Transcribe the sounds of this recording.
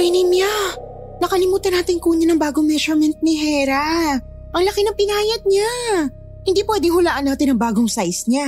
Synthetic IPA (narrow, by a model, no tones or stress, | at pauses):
ɛjnɪmja | nɐkɐlɪmuːt̪ɐnaːt̪ɪnkuːɲɐnɐŋbaːɡoŋmɛʃɔɹmɛnt̪̚nɪɦɛːɾa | ʔɐŋlɐkɪnɐŋpɪnaːjɐd̪̚ɲa | hɪnd̪iːpwɛd̪ɪŋhʊlaːʔɐnːaːt̪ɪnɐŋbaːɡoŋsajsɲa